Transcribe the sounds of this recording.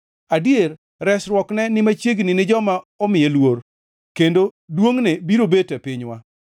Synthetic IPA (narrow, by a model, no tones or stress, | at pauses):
adjer | ɾɛsɾwɔknɛnɪmat͡ʃeɡnɪnɪd͡ʒɔmaɔmɪjelwoɾ | kendodwoŋnebiɾobetɛpɪɲwa̰